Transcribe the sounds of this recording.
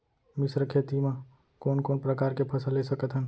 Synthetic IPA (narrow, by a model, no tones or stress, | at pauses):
mɪsɾəkʰeːt̪imã | koːnkoːnpɾəkaːɾkepʰɐsəlːesəkət̪ɦən